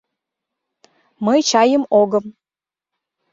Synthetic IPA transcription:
məjt͡ɕɑjəmoɣə̆m

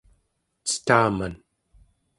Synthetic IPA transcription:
t͡sə̥t̪aːman

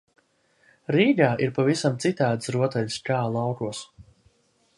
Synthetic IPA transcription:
ɾiːɡaːʔiɾpavisamt̪sit̪aːd̪ɨsɾuɔt̪ɛʎʲskaːlˠawkuɔs

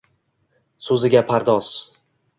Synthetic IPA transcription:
sɵzɪɡʲapʰaɾd̪ɒz̥

